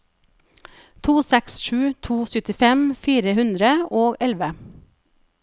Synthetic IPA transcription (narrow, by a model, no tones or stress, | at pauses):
t̪ʰuːsɛksʃʉːt̪ʰuːsʏt̪ɪfɛmfiːɾəhʉnd̪ɾəoːɡɛlʋə